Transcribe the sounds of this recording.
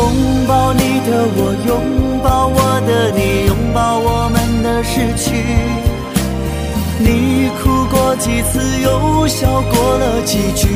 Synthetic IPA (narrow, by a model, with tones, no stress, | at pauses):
ʊ˧˥ŋpɑ˥˩ʊni˨˩d̪ə˧wɔ˨˩jʊ˧˥ŋpɑ˥˩ʊwɔ˨˩d̪ə˧ni˨˩jʊ˧˥ŋpɑ˥˧ʊwɔ˨˩mə˦nd̪ə˧ʂɻ̩˥˧t͡ɕʰy˧ | ni˨˩kʰu˧˩kwɔ˧˥t͡ɕi˨˩t͡sʰɹ̩˥˧jo˧˥ʊɕjɑ˨˩ʊkwɔ˧˥lə˧t͡ɕi˨˩t͡ɕʰy˧˥